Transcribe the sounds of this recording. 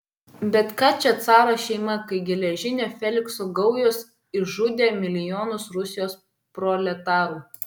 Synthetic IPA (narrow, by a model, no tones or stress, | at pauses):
bʲɛt̪kɑːt͡ʃʲɛt̪sɑːɾɐʃʲɛɪmɐkɐɪɡʲɛlʲɛʒʲɪnʲeːfʲɛlʲɪksoɡɒʊjos | ɪʒʊd̪ʲeːmʲɪlʲɪjoːnʊsɾʊsʲɪjoːs | pɾɔlʲɛt̪ɑːɾuː